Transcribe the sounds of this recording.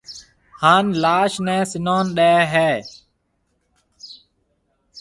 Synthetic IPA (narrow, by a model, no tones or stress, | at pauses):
haːnlaːʃnɛ̃ːsɪnoːnɗeːɦɛː